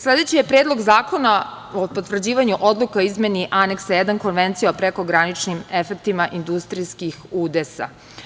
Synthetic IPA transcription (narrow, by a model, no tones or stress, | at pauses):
slˠe̞d̪e̞t͡ɕijepɾe̞ːd̪lˠo̞ɡzaːko̞na | opo̞t̪ʋr̩d͡ʑiːʋaɲuʔo̞d̪lˠukaoizme̞niʔane̞ksajɛd̪anko̞nʋe̞nt̪sijaopɾeko̞ɡɾanit͡ʃnime̞fek̚t̪imaʔind̪ust̪ɾijskixuːd̪esa̰